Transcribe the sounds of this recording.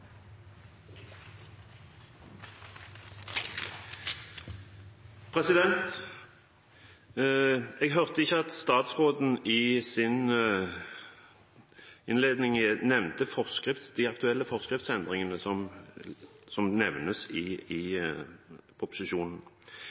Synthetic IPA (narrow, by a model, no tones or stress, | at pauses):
pʰʁɛsɪd̪ɛnt̪ | ɛːɡɦœʁt̪əɪçːəɑt̪st̪ɑːt̪sʁoːd̪n̩ɪsɪn | ɪnleːd̪nɪŋnɛʋnt̪əfɔʁskʁɪft̪sd̪iɑkt̪ʉɛlːəfɔʁskʁɪft̪sɛnd̪ʁɪŋənəsɔm | sɔmnɛʋnəsɪɪ | pʰʁʊpʊsɪʃuːnn̩